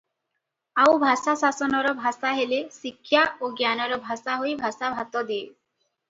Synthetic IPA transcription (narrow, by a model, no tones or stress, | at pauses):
awbʱasasasɔnɔɾɔbʱasaɦelesikʰːjaoɡjanɔɾɔbʱasaɦojbʱasabʱat̪ɔd̪ie